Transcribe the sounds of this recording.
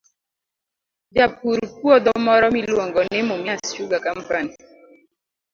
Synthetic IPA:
d͡ʒapuɾpwɔd̪ɔmɔɾɔmilwoŋɡɔnɪmomjast͡ʃuɡakampani

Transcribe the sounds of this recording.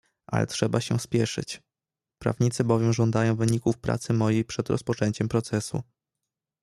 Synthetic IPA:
ʔa̰lɛ̰tʂɛbaɕɛspʲjɛʂɘ̰t͡ɕ | pɾa̰vɲit̪sɘbɔvjɛmʐɔnd̪ajɔ̃w̃vɘɲikufpɾa̰t̪sɘmɔjejpʂɛd̪ɾɔ̰spɔt͡ʂɛɲt͡ɕɛmpɾɔt̪sɛsṵ

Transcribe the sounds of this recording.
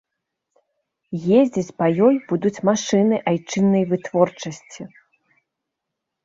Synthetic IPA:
jezʲd͡zʲit͡sʲpɐjɔjbud̪ut͡sʲmaʂɨnɨʔajt͡ʂɨnːɐjvɨt̪vɔrt͡ʂɐsʲt͡sʲi

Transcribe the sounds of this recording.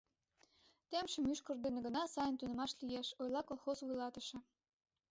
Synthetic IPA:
t̪emʃə̆myʃkə̆rd̪enĕɡə̆nɑsɑjənt̪unə̆mɑʃlijeʃojlɑkolˠxozvujlɑt̪ə̆ʃĕ

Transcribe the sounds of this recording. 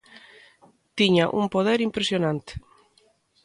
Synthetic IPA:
t̪iɲaʔumpoð̞eɾimpɾesjonãnt̪e̥

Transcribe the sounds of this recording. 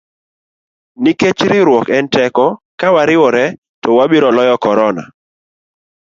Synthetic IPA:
niket͡ʃɾɪɾwɔkɛntɛkɔ | kawaɾɪwɔɾɛ | tɔwabiɾɔlɔjɔkɔɾɔna̰

